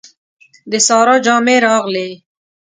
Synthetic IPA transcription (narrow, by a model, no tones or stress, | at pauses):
d̪əsɑːɾɑd͡ʒɑːmeɾɑːɣle